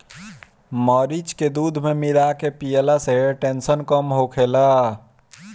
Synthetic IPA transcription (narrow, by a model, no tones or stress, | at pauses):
məɾid͡ʒked̪ud̪ʱmemilakepijəlaseɦeʈensənkəmɦokʰela